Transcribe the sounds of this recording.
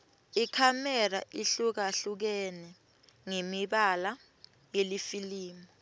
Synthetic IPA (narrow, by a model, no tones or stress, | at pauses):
ikʰamɛra̰ʔiɬuk̬aɬuk̬ɛnɛ | ŋemiɓala | jelifiliːmɔ